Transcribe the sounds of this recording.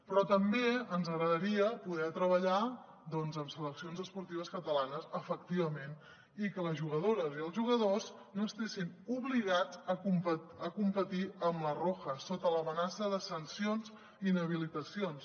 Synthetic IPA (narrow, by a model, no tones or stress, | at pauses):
pɾɔt̪əmbeənzəɣɾəðəɾiəpuðɛt̪ɾəβəʎa | d̪ɔnzəmsələksionzəspuɾt̪iβəskət̪əlanəzəfəkt̪iβəmen | ikələzʒuɣ̞əðoɾəziəlˠzʒuɣ̞əðoz | noəst̪esinuβliɣ̞ad͡zəkumpət̪əkumpət̪iəmləroxəsot̪ələmənasəðəsənsionz | inəβ̞ilit̪əsions